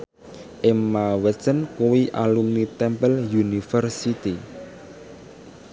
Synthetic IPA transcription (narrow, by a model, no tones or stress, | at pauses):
ʔemːawɛsənkuwiʔalumnit̪ɛmpəljunifərsit̪i